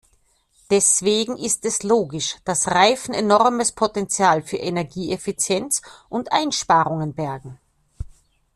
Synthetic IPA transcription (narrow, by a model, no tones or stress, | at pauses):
d̥ɛsv̥eːɡŋ̩ʔɪstɛsloːɡɪʃd̥asʁaɪfn̩enɔʁməspʰotɛnt͡sjaːlfyːɐʔenɛɐɡiːʔɛfɪt͡sjɛnt͡sʔʊntʔaɪnʃpaːʁʊŋənbɛɐɡŋ̩